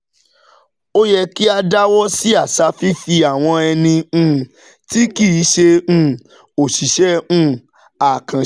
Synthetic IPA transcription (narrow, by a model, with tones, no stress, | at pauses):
o˦jɛ˧ki˦a˧da˦wɔ˦si˦a˦˨sa˨˧fi˦fi˧a˨w̃ɔ̃˧ɛ˧nĩ˧˦˨ | ti˦ki˦˨˦ʃẽ˧˦ | o˨ʃi˨ʃɛ˦ũ˦˨ | a˨kã˨